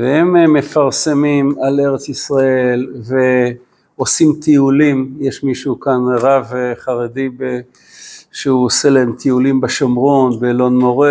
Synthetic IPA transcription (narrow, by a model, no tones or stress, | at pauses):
veemme̞faʁsemimale̞ʁet͡sisʁaelve | osimt̪ʰiulimjeʃmiʃukanʁavχaʁedibe | ʃeuose̞lahemt̪ʰiulimbaʃomʁonbelo̞nmoʁe